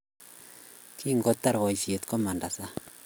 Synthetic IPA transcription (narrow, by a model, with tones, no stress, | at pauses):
ki˦ŋɡo˦t̪ːa˦ɾwɔ˨isje˨t̪ko˦ma˨nda˨sa˦